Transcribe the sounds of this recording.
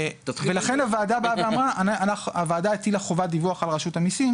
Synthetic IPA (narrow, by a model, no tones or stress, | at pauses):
velaχe̞navaːdabaveamʁaanaanaχavaːdaetilaχo̞vad̪ivuaχalʁaʃutamisim